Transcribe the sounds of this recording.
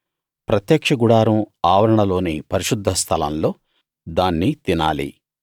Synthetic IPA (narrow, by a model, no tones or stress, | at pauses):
pɾɐt̪jɐkʂɐɡuɽaːɾumaːʋɐɾɐɳɐlo̞ːnipɐɾiʃud̪ʱːɐst̪ʰɐlɐ̰nlo̞ː | d̪aːnːit̪ina̰ːlḭ